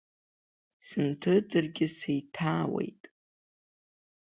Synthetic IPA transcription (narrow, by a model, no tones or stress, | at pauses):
sɨntʰɨd͡zɨrɡʲɪsejtʰaːwe̞̰jtʼ